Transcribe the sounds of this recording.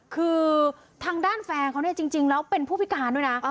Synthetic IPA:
kʰɯː˧ | t̪ʰaː˧ŋdaː˥˩nfɛː˧kʰa˧˥wni˥ət͡ɕi˧ŋt͡ɕi˧ŋlɛː˦˥wpe˧npʰuː˥˩pʰi˦˥kaː˨˧˦nduː˥˩jna˦˥

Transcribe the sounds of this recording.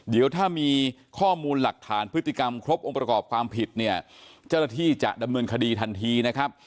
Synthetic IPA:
di˨˩˦wt̪ʰaː˥˩miː˧ | kʰɔː˥˩muː˧nla˨˩k̚t̪ʰaː˩˦npʰɯ˦˥t̪ːi˨˩ka˧mkʰɾo˦˥p̚ʔo˧ŋpɾa˧kɔː˨˩p̚kʰwaː˧mpʰi˨˩t̪̚ni˥˩ɐt͡ɕaː˥˩naː˥˩t̪ʰiː˥˩t͡ɕa̰˨˩ʔda˧mnɤː˧nkʰa˧diː˧t̪ʰa˧nt̪ʰiː˧na˦˥kʰa˦˥p̚

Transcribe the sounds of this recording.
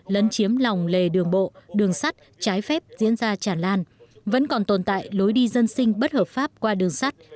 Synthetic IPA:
lə˨˦nt͡ɕi˨˦əmla˨˩wŋ͡mle˨˩ɗɨ˨˩əŋɓo̰˧˨ɗɨ˨˩əŋsa˦˥t̚ | t͡ɕaː˨˦jfɛ˦˥p̚zḭ˧˥ənzaː˧t͡ɕaː˧˩nlaː˧nvə̰˧˥nkɔ˨˩nt̪o˨˩nt̪a̰ː˧˨jlo˨˦jɗi˧zə˧nsï˧ŋ̟ɓə˦˥t̚həː˨˩p̚faː˦˥p̚kwaː˧ɗɨ˨˩əŋsa˦˥jt̚

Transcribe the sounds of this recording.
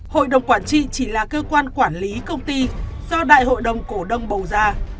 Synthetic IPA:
ho̰˧˨jɗə˨˩wŋ͡mkwaː˧˩nt͡ɕḭ˧˨t͡ɕi˧˩laː˨˩kəː˧kwaː˧nkwaː˧˩nli˨˦kə˧wŋ͡mt̪i˧zɔ˧ɗa̰ː˧˨jho̰˧˨jɗə˨˩wŋ͡mku˧˩ɗə˧˩wŋ͡mɓə˨˩wzaː˧

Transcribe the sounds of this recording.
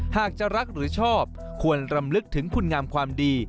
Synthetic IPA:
haː˨˩k̚t͡ɕa˨˩ɾa˦˥k̚ɾɯː˩˦t͡ɕʰɔː˥˩p̚ | kʰu˧ənɾa˧mlɯ˦˥k̚t̪ʰɯ˩˦ŋkʰu˧nŋaː˧mkʰwaː˧mdiː˧

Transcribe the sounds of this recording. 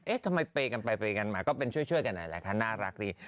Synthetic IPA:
ʔe˦˥t̪ʰa˧ma˧jpeː˧ka˧npa˧jpeː˧ka˧nmaː˧kɔː˥˩pe˧nt͡ɕʰu˥˩jt͡ɕʰu˥˩əjka˧nːʔa̰˨˩jla̰˨˦˩kʰa˦˥˩naː˥˩ɾa˦˥k̚diː˧˩

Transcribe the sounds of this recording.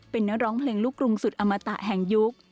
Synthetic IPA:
pe˧nːa˦˥k̚ɾɔː˦˥ŋpʰleː˧ŋlu˦˥˩kːɾu˧ŋsu˨˩t̪̚ʔa˧mːa˧t̪a̰˨˩ʔɦɛ˨˩ŋju˦˥k̚

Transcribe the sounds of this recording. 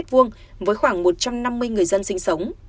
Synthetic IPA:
t̚vɨ˧əŋ | vəː˨˦jxwaː˧˩ŋmo˨˩t̚t͡ɕa˧mna˧mːɨ˧əjŋɨ˨˩əjzə˧nsï˧ŋ̟sə˨˦wŋ͡m

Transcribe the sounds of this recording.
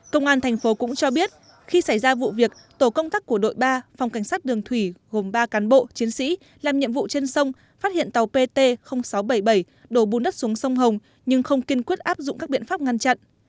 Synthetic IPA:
kə˧wŋ͡mʔaː˧nt̪ʰɛ˨˩ŋ̟fo˨˦kʊ̰˧˥ŋ͡mt͡ɕɔ˧ɓi˦˥ət̚ | xi˧sa˧˩jzaː˧vṵ˧˨vi˨˩ək̚t̪o˧˩kə˧wŋ͡mt̪aː˦˥k̚ːu˧˩əɗo̰˧˨jɓaː˧fwŋ͡mka˧˩jŋ̟saː˦˥t̚ɗɨ˨˩əŋt̪ʰwi˧˩ɣo˨˩mɓaː˧kaː˨˦nɓo̰˧˨t͡ɕi˨˦ənsḭ˧˥ | laː˨˩mɲḭ˧˨əmvṵ˧˨t͡ɕe˧nsə˧wŋ͡m | faː˦˥t̚hḭ˧˨ənt̪a˨˩wpe˧t̪e˧xə˧wŋ͡msa˨˦wɓə˧˩jɓə˧˩j | ɗo˧˩ɓu˨˩nɗə˦˥t̚su˨˦əŋsə˧wŋ͡mɦə˨˩wŋ͡m | ɲɨ˧ŋxə˧wŋ͡mki˧nkwi˦˥t̚ʔaː˦˥p̚zʊ̰˧˨ŋ͡mkaː˦˥ɓḭ˧˨nfaː˦˥p̚ŋa˧nt͡ɕa̰˧˨nʔ

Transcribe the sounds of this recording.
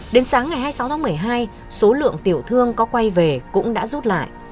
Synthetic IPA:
ɗe˨˦nsaː˨˦ŋːa˨˩jhɦaː˧jsa˨˦wt̪ʰa˨˦mɨ˨˩əjɦaː˧j | so˨˦lɨ̰˧˨əŋt̪i˧˩əwt̪ʰɨ˧əŋkɔ˨˦kwa˧jve˨˩kʊ̰˧˥ŋ͡mɗa̰ː˧˥zu˦˥t̚la̰ː˧˨jʔ

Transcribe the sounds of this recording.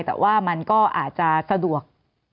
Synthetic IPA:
jt̪ɛ̰ː˨˩wʔaː˥˩ma˧nkɔː˥˩ʔa̰ː˨˩t̪̚t͡ɕa˨˩sa˧du˨˩ək̚

